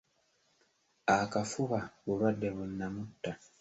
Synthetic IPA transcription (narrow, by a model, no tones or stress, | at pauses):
akafuβaβuβadːe̞βunːamutːa